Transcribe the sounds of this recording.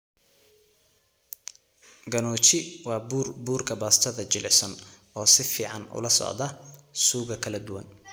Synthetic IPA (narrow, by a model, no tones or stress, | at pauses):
ɡɐnɔːt͡ʃɪwɑːbrbuːrkʰɐbaːst̪ʰɐðɐt͡ʃɪlɪsɔn | ɔːsɪfiːʕɑnʊ̰lɐsɔ̰ʕd̪ɐsuːɣɐkʰɐlɐd̪ʊwɐ̰n